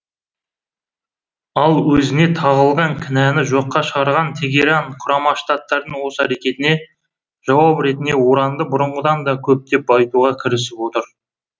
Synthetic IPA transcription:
ɑlˠwɵzɪne̞t̪ʰɑʁəlˠʁɑŋkʲʰɪnænɪʒo̞qːɑʃəʁɑɾʁɑnt̪ʰe̞ɡʲe̞ɾɑɴqʰʊɾɑmɑʃt̪ɑt̪ːɑɾd̪əɴwo̞səæɾe̞kʲe̞t̪ɪne̞ | ʒ̥ɑwɑpɾe̞t̪ɪne̞wo̞ɾɑnd̪əbʊɾəɴʁəd̪ɑnd̪ɑkʲʰɵp̚t̪e̞pɑjt̪uʁɑkʲʰɪɾɪsɪpwo̞t̪əɾ

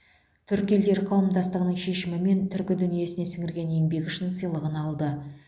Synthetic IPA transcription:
t̪ʰʏɾkʲield̪e̞ɾqʰɑw̪ˠəmd̪ɑst̪əʁənəɴʃe̞ʃɪmɪme̞nt̪ʰʏɾkʲɪd̪ʏnije̞sɪne̞sɪŋʲɪɾɡʲe̞ne̞ŋbe̞kʲʏʃɪnsəjlˠəʁənɑlˠd̪ə

